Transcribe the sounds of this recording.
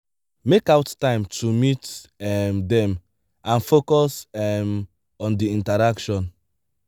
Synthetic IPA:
mekawttãɪ̃mtumitɛmdɛ̃m | ãnfokɔsɛm | ɔ̃ndiĩntaɾakʃɔ̃n

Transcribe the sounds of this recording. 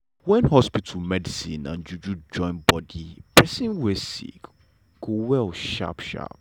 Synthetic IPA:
wɛ̃nhɔspitʰlmɛdisĩnã̰nd͡ʒud͡ʒud͡ʒɔ̃ɪ̃nbɔdipɹɛsĩnwesḭk | ɡ̥owɛlʃa̰pʃa̰p̚

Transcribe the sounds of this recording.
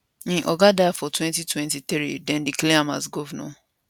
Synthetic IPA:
ĩʔɔɡadajfɔtwɛ̃ntitwɛ̃ntit̪ɾḭdɛ̃ndikleama̰sɡɔvɛnɔ̰

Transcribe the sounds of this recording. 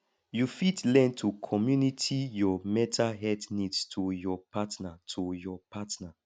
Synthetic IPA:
jufitlɛ̃ntʰukʰɔmjunitʰijɔmɛtʰaɦɛdnidstʰujɔpatnatʰujɔpatna

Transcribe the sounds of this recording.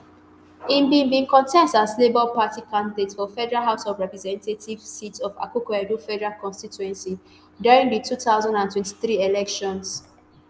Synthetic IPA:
ĩmbĩnbĩnkʰɔ̃ntʰɛstazlebɔlpatikãndidetsfɔfɛdɛɹalɦaʊsɔvɹɛpɹɛzɛ̃ntetʰiv̥sitɔva̰kukwɛdufɛdɛɹalkɔ̃nstituɛ̃nsi | djɔɹĩŋditʰutaʊzãndãntwɛ̃nti̥θɹielɛkʃɔ̃ns

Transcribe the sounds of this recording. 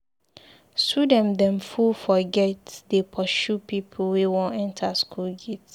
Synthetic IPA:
sudɛ̃mdɛ̃mfulfɔɡɛtdepʰɔʃupipʰlwewõnɛ̃ntʰaskʰulɡets

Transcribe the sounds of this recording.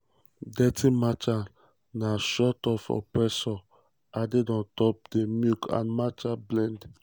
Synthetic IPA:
dɛtʰimat͡ʃa | naʃɔtɔfɔ̰pɾɛsɔ | adedɔ̃ntɔp̚demjukʰã̰nmat͡ʃablɛ̃nd

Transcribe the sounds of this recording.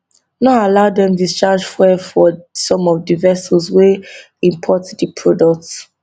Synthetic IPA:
nɔalaʊdɛ̃mdist͡ʃad͡ʒfɛfɔsɔ̃mɔvdivɛsɔswe | ĩmpʰɔtdipʰɹɔdɔk̚ts

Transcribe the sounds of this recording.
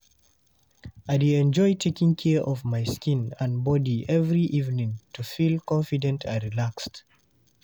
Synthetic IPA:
aɪdeɛ̃nd͡ʒɔɪtʰekĩŋkʰɛʔɔvmaɪskĩnãnbɔdiʔɛvɹiʔivnĩŋtʰufilkɔ̃nfidɛ̃ntʰãɹilakst

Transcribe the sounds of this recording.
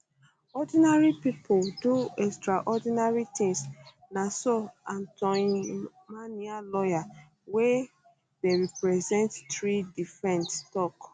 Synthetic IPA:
ɔdinaɹipipolduɛkstɹaʔɔdinaɹit̪ĩŋs | nasɔãntɔn | manialɔja | we | deɹipɹɛzɛ̃nttɹidifɹɛ̃nttɔk

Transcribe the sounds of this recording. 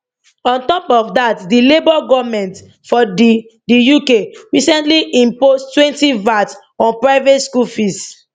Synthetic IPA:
ɔ̃ntɔpɔfdatdilebɔɡɔvmɛ̃nt | fɔdi | dijukeɹisɛ̃ntliʔĩmpostwɛ̃ntivats | ɔ̃npɹaɪvetskulfist

